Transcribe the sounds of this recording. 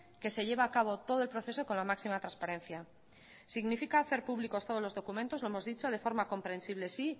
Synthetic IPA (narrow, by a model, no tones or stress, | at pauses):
ke̞se̞ʎe̞β̞aːkaβ̞o̞t̪o̞ðolpɾoθe̞so̞ko̞nlamaksimat̪ɾanspaɾẽ̞n̟θja | siɣnifikaːθe̞ɾpuβliko̞st̪o̞ð̞olo̞zðo̞kumẽnt̪o̞zlo̞emo̞zðit͡ʃo̞ð̞efo̞ɾmako̞mpɾẽ̞nsiβ̞le̞si